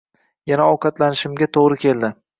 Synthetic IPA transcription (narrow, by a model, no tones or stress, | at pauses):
janaɒwqʰɑt̪lanɪʃɪmɡʲat̪ʰoʁɾɪkʲʰe̞ld̪ɪ